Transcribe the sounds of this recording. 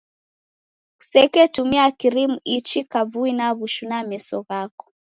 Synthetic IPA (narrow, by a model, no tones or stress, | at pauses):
ku̥sɛkɛtumiakiɾimuit͡ʃikavuinaβuʃunamɛsɔɣakɔ̥